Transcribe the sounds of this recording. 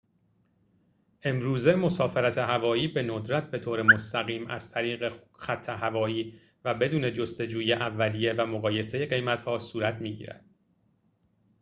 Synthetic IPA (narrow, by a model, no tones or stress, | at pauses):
ʔe̞mɾuːze̞mo̞sɒːfeɾæt̪ʰe̞ɦævɒːjiːbe̞nod̪ɾæt̪̚ʰbe̞t̪ʰoːɾemost̪æɣiːmʔæ̰z̥t̪ʰæɾiːɣexæt̪ʰːeɦævɒːjiː | væbe̞d̪uːne̞d͡ʒo̞st̪e̞d͡ʒuːjeʔævːæliːjevæmoɣɒːje̞seje̞ɢe̞jmæt̪hɒːsuːɾæt̪ʰmiːɟḭːɾæ̰d̪̥